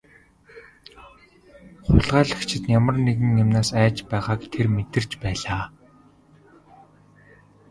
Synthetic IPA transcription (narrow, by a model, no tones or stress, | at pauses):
χʊɮʁæːɮə̆xt͡ɕʰɪ̆t̪njamə̆rneɣɘ̆ŋjamnaːsæːt͡ɕpæːʁaːkt̪ʰermet̪ɘ̆r̥t͡ɕpæːɮaː